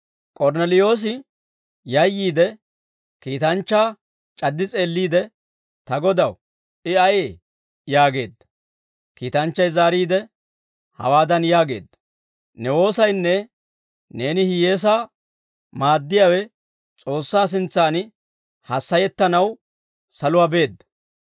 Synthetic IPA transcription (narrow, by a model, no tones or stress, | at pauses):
kʼɔɾnɛlɪjo̞ːs̬ɪ | jɐjːiːd̪ɛ | kiːt̪ɐnt͡ʃːaː | t͡ʃʼɐd̪ːɪt͡sʼe̞ːlːiːd̪ɛ | t̪ɐɡɔd̪ɐw | ʔɪɐjeː | jaːɡe̞ːd̪ːɐ̥ | kiːt̪ɐnt͡ʃːɐjzaːɾiːd̪ɛ | hɐ̰waːd̪ɐnjaːɡe̞̰ːd̪ːɐ̥ | nɛwo̞ːsɐjnːɛ | ne̞ːnɪhɪje̞ːs̬aː | maːd̪ːɪjaːwɛ | t͡sʼo̞ːsːaːs̬ɪnt͡saːnɪ | hɐsːɐjɛt̪ːɐnɐw | sɐlʊwaːbe̞ːd̪ːɐ̥